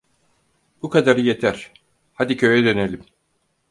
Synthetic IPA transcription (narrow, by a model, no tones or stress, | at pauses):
b̥ukad̪aɾɯje̞t̪ʰæɾ̥ | had̪icʰø̞jɛd̪ø̞ne̞lʲim